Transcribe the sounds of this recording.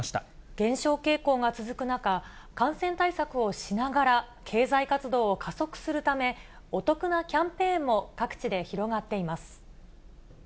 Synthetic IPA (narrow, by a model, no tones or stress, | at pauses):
ɕi̥t̪aɡ̥ẽ̞ɰ̃ɕo̞ːke̞ːko̞ːɡat͡sɨzɨkɯ̟naka | kãɰ̃sẽ̞nt̪aisakɯ̟o̞ɕinaɡaɾa | kʰe̞ːzaikat͡sɨd̪o̞ːkʰaso̞kɯ̟̥sɨɾɯ̟t̪ame̞ | o̞t̪o̞kɯ̟nakʲãmpẽ̞ːmːo̞kakɯ̟̥t͡ɕid̪e̞çiɾo̞ɡat̪ːe̞imasɨ̥